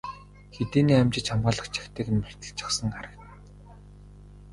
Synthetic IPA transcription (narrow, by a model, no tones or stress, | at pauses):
xet̪iːniːamt͡ɕɪ̆t͡ɕχamʁaːɮə̆χt͡ɕʰḁxt̪ʰeːkɘ̆nmær̥ʲt̪ə̆ɮt͡ɕʰḁ̆χsə̆ŋaɾə̆k̪